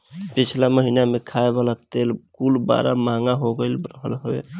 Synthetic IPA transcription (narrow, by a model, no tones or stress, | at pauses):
pit͡ʃʰlaməɦinamekʰaebalat̪elkulba̰ɾa̰maŋɡaɦoɡəlɾəɦəlɦoe